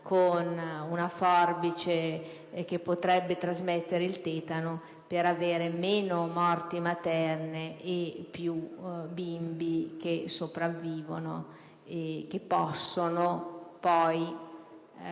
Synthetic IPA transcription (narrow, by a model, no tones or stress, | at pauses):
kʰonunafɔrbit͡ʃe | k̟epːot̪ɾɛbːet̪ɾazmɛt̪ːeɾeilt̪eːt̪ano | peɾaveːɾemeːnomɔrt̪imat̪ɛrneːpːjubimbik̟esopɾavːiːvo̰no̰ | ek̟epːɔsːonopɔj